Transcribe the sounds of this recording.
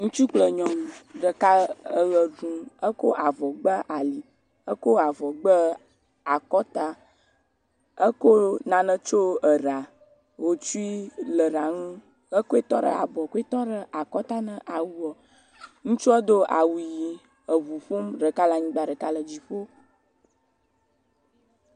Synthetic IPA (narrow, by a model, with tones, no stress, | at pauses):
ŋũ˦t͡ʃu˦k͡plə˨ɲɔ̃˨m˨ɖə˨ka˦ə˦lə˨ɖũ˨ə˦ko˦ʔa˨vɔ˨ɡ͡bə˦ʔa˨li˨ | ə˦ko˦a˨vɔ˨ɡ͡bə˦ | a˨kɔ˦t̪a˦ | ə˦ko˦nã˨nə̃˦t͡ʃo˦ə˨ɾa˨ | wo˦t͡ʃu˦i˦lə˨ɾa˨ŋũ˦ | ə˦ko˦e˦t̪ɔ˦ɖə̰˦a̰˨bɔ˨ko˦e˦t̪ɔ˦ɖə˦ʔa˨kɔ˦t̪a˦nə̃˦ʔa˨wu˦ɔ˨ | ŋũ˦t͡ʃu˦ɔ˦d̪o˦ʔa˨wu˨ji˨ | ə˨βu˨ɸo˦mɖə˨ka˦la˨ɲĩ˦ɡ͡ba˨ɖə˨ka˦lə˨d͡ʑi˨ɸo˦